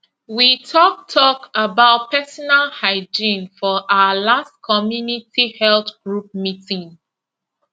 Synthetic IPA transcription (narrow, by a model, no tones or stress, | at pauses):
witʰɔk̚tʰɔkəbaʊt̚pʰɛsɔnalhaɪd͡ʒĩnfɔʔaʊəlastkʰɔmjunitihɛlθɡ̥ɹup̚mitĩn